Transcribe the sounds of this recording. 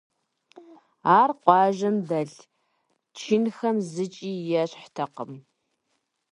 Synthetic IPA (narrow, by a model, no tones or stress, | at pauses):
aːrqʷʼɑːʒɐmdɐɬ | t͡ʃʰinxɐmzɨt͡ʃʼiːjɛɕħtʰɐqəm